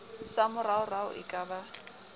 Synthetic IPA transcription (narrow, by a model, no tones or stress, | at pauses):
samʊraʊraʊ̰ʔɪkʼaba